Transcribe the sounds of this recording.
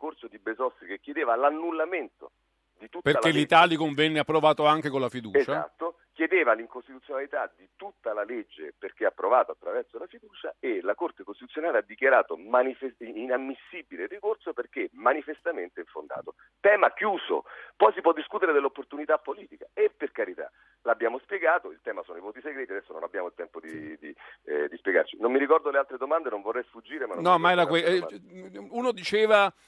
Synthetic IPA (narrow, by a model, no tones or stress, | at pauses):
ikorsod̪ibezɔst̪ɾikekʲːjed̪eːvalanːulːament̪o̰ | d̪it̪ut̪perːalelːit̪aːlikoɱvɛnːeapːɾovaːt̪oaŋk̟ekolafid̪uːezt͡ʃaa̰t̪ːo | kjed̪eːvaliŋkost̪it̪ut̪sjonalit̪ad̪it̪ut̪ːalaled͡ʒːḛperk̟eapːɾovaːt̪oat̪ːɾavɛrsolafid̪uːt͡ʃa̰elakort̪ekost̪it̪ut̪sjonaːlead̪ːikjaɾaːt̪omanifeinamːisːibilerːikorsoperk̟emanifest̪ament̪eiɱfond̪a̰ːt̪o | t̪ɛːmakjuːso̰pɔjsipwɔd̪ːiskuːt̪eɾed̪elːopːort̪unit̪apːoliːt̪ikaepːerkaɾit̪a̰ | labːjaːmospjeɡaːt̪oilt̪ɛːmasoːnoivoːt̪iseɡɾɛːt̪iad̪ɛsːono̰nabːjaːmoilt̪ɛmpod̪id̪id̪ispjeɡa̰rt͡ʃinommiɾikɔrd̪olealt̪ɾed̪omand̪enoɱvorːɛjsfud͡ʒːiːɾemannɔmːaɛɾakwɛ | uːnod̪it͡ʃeːva